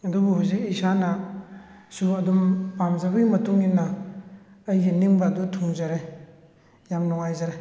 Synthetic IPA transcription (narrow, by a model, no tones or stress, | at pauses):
ɐdubuhojzik̚isana | suɐdumpamzabɯɡimɐtuŋinːɐː | jɡiniŋbaːdutʰuŋzaɾe | jamnɔŋajzaɾe